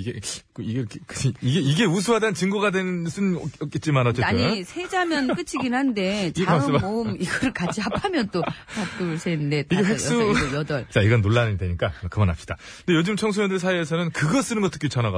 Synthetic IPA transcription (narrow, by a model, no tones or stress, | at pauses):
iɡekoieɾkʰekɯiiɡeiɡe̞us̬ʰuɦadant͡ɕɯŋɡuɡadwenɯns͈ɯnʌʌk͈et̚t͡ɕ͈imanʌtt͡ɕʌaɲisʰe̞d͡ʑamjʌnk͈ɯt͡ɕʰiɡinhande̞t͡ɕasmomiɡʌɾɯɭkad͡ʑiɦapʰamjʌnt͈otat͈usʰenɯndetiɡeɸeksʌuojʌdʌɭt͡ɕaiɡʌnːoɭːandweɲik͈akɯmʌnɦapɕ͈id̥a | ndejod͡ʑɯmt͡ɕʰʌŋs̬ʰujʌndɯɭsʰaiesʰʌnɯnkɯɡʌs͈ɯnɯmɡʌt͈ʰɯ̥k͈ʰit͡ɕʰʌnaɡa